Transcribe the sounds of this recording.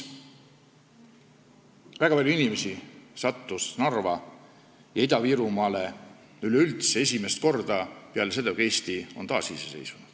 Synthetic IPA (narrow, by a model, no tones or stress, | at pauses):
væɡɑpɑlʲjuinimesisɑt̪ːusnɑrvɑ | jɑid̪ɑviːɾumɑːle | yleylt̪see̞sʲime̞st̪ko̞rd̪ɑpeɑlesed̪okeːst̪io̞̰nt̪ɑːsiːsese̞̰jsunud̪̥